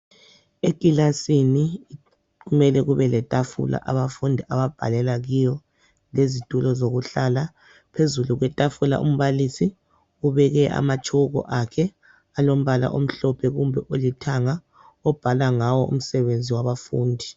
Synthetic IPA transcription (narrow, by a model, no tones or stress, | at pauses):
ekʼilasini | ɣumɛlɛɣuβɛlɛtʼafṵla̰ʔaβafundʱiʔaβab̥ʱa̰lɛlaɣijɔ | lezitʼulɔzoɣuɬaːla | pʰezuluɣwɛtʼafula̰ʔṵm̩βalisi | uβɛɣɛʔa̰mat͡ʃʰʼuɣɔ̰ʔakʰɛ | alom̩βala̰ʔom̩ɬɔpʰɛɣumbʱɛʔolitʰaŋa | ɔb̥ʱalaŋawɔʔṵm̩sɛβend͡zʱiwaβafuːndʱi